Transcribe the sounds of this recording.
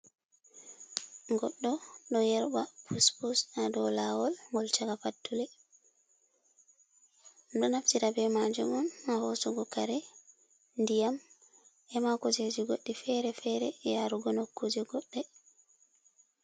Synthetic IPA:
ŋɡɔɗːɔɗɔjɛɾbapʰuspusadɔlawɔlŋɡɔlt͡ʃaɡafatːulɛ | ɗɔnaftiɾabɛmad͡ʒumɔnahɔsɔɡɔkaɾɛ | ndijam | ʔɛmakɔd͡ʒed͡ʒiɡoɗːifɛɾɛfɛɾɛjaɾuɡɔnokːod͡ʒɛɡɔɗːɛ

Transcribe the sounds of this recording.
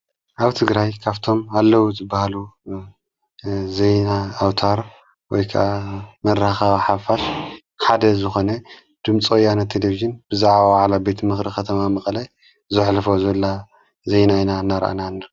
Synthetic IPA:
ʔaβt̪ʰɨɡɾajkʰaβt̪ʰo̞malːɐwozɨbːahalu | zejnaːwt̪ʰaɾ | wɔjkʰa̰ʔamɐɾːaxawiħafaʃ | ħad̪ɐzɨxo̞nɐ | d̪̥ɨmt͡sʼojːanat̪ʰːeleviʒɨnbɨzaʕβawaʕlabet̪ʰmɨxɾikʰɐt̪ʰɐmamɐχʼlaj | zɨħlfo̞zɐlːa | zejnainanːaɾʔa̰naɨnːa

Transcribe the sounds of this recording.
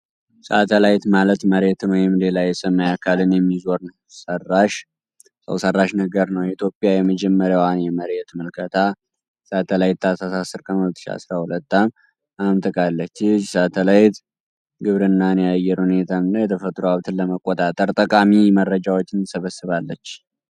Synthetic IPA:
səat̪ʰəlajt̪malət̪məɾe̞t̪ɨnwɔjɪmle̞lajɛsəmːəjakʰalɨnjɛmːizo̞ɾn | sərːaʃ | sə̰wsərːaʃnəɡəɾnəwjɛit̪ʰjo̞pʼːjajɛməd͡ʒɛmːəɾjawanjɛməɾe̞t̪məlkʰət̪ʰa | sat̪ʰəlajt̪ːasasasːɨɾkʼənhulət̪ːɨʃia̰sɾahulət̪ːam | amt̪ʰʼɨkʼalːət͡ʃːɪsat̪ʰəlajt̪ | ɡɨβɾɨnːanejajɛɾhune̞t̪ʰanːajɛt̪ʰəfət̪ʼɾoaβt̪ʰɨnlːəməkʼːot̪ʼat̪ʼəɾt̪ʼəkʼamimərːəd͡ʒawot͡ʃːɪnsəβəsːɨβalːət͡ʃː

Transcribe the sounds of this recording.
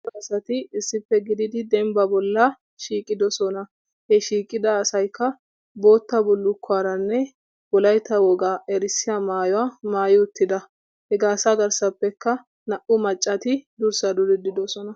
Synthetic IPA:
ɐsɐt̪ɪɪsːɪpːɛɡɪd̪ɪd̪ɪd̪ɛmbɐbɔlːɐ | ʃiːkʼɪd̪ɔsɔnɐ | hɛʃiːkʼɪd̪ɐːsɐjkːɐ | bo̞ːt̪ːɐbʊlːʊkːaːɾɐnːɛ | wɔlɐjt̪ːɐwɔɡaːʔɛɾɪsɪjamaːjɔwaːmaːjɪʊt̪ːɪd̪ɐ | hɛɡaːsaɡɐɾsɐpːɛkːɐ | nɐʔʊmɐt͡ʃʼːɐt̪ɪd̪ʊɾsɐd̪ʊd̪ɪd̪ɪd̪ɔsɔnɐ

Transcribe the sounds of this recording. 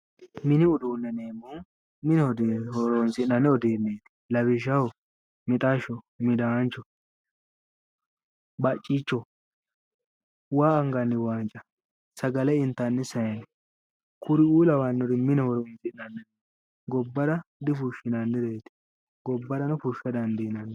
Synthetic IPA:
mɪnɪʊd̪uːnːɛneːmːɔn | mɪnɛɔd̪hɔɾɔnsɪnɐnːɛɔd̪eːnːeːt̪ɪ̥lɐbɪʃɐwɔ | mɪt̪ʼaʃɔ | mɪd̪aːnt͡ʃːɔ | bɐt͡ʃʼːit͡ʃːɔ | waːɐŋɡɐnːɪwaːnt͡ʃʼɐ | sɐɡɐlɛɪnt̪ːɐnːɛsɐjɐn | kʰʊɾɪuːlɐwanːɔd̪ɪmɪnɛhɔɾɔnsɪnɐnːɛ | ɡɔbːɐd̪ɐd̪ɪfʊʃːɪnɐnːɛd̪ɛjɛt̪ɪ̥ | ɡɔbːɐd̪ɐnʊfʊʃɐd̪ɐnd̪iːnɐnːɛ

